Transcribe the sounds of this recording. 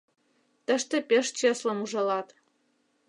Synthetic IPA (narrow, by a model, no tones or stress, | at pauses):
t̪ə̆ʃt̪ĕpʲeʃt͡ɕeslɤ̆muʒɤ̆lɑt̪